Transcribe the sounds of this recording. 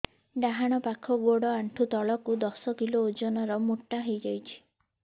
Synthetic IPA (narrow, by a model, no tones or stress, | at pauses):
ɖaɦaɽ̃ɔpakʰɔɡoɽɔaɳʈʰut̪ɔɭɔkud̪ɔsɔkiloːd͡ʒɔnɔɾɔmuʈːaɦejd͡ʒajt͡ʃʰi̥